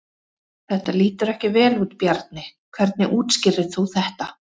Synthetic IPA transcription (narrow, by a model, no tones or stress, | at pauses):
θɛht̪aliːt̪ʏɾɛhcɪvɛːluːt̪pjaɾt̪̚nɪkʰvɛɾt̪̚nɪʔuːt̪scɪɾðɪðθuwθɛht̪a